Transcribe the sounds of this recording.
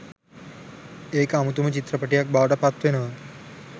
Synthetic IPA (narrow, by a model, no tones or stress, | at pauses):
ekamut̪̬umət͡ɕit̪ɾəpəʈijak̚bʱaʋʈapat̪ʋena